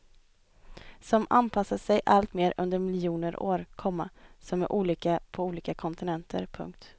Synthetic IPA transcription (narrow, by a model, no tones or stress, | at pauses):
sɔma̰npʰasːasɛjʔalt̪meːɾɵnd̪əɾmɪlɪjuːnəɾʔo̰ːɾkʰɔmːasɔmæ̰ɾʔuːliːkapʰɔuːliːkakʰɔnt̪ɪnɛnt̪ʰə̰ɾpʰɵ̰ŋk̚t̪